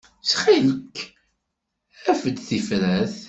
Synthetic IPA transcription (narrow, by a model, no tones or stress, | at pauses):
sχiləkː | æfəd̪θifɾæθ